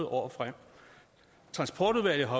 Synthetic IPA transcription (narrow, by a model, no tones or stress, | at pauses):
ʔɒ̰ːfʁam̰ | t͡sʰʁɑ̈nsb̥ʰɒ̰ːd̥uðˠʋæləɦɒ̽